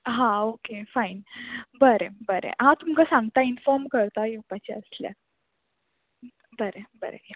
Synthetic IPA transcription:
ɦãokefainbəɾebəɾḛɦãt̪umkasãŋɡt̪ainfɔɾmkəɾt̪ajiupat͡ɕeəslja̰ | bəɾebə̰ɾḛ

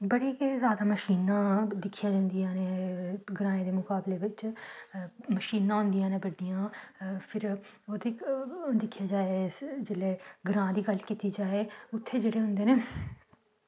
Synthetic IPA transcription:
bəɽeːkezjaːd̪aːməʃiːnãːd̪ɪkʰːjaːd͡ʒãːnd̪ijãːneːɡɾãːẽːd̪eːmʊkaːbleːʋɪt͡ʃ | məʃiːnãːɦʊ̃nd̪ijãːneːbəɖːijãːpʰɪɾoːd̪eːd̪ɪkʰːjaːd͡ʒaːed͡ʒɪleːɡɾãːd̪iːɡəlkiːt̪iːd͡ʒaːeːʊt̪ʰːeːd͡ʒeːɽeːɦʊ̃nd̪eːneː

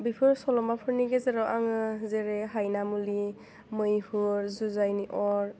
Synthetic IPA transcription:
bipʰɯɾsɔlɔmapʰɯɾniɡezeɾɔwʔaŋɯzeɾeɦajnamuli | mɯjhuɾzuzajniʔɔɾ

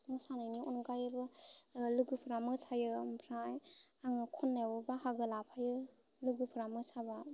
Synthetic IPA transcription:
mɯsanajniunɡajɯbɯluɡɯpʰɯɾamɯsʰajɯmpʰɾajaŋɯkʰɔnːewɔbahaɡɯlapʰajɯ | luɡɯpʰɯɾamɯsʰaba

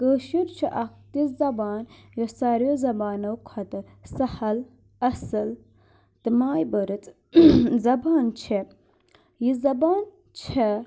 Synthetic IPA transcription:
kəːʃiɾt͡ʃʰiʔɐkt̪iszɐbaːnjosɐɾjozɐbaːnɐwkʰɐt̪ɨ | sɐhɐl | ɐsɨl | t̪ɨmaːjbəɾɨt͡s | zɐbaːnt͡ʃʰe | jizɐbaːn | t͡ʃʰe

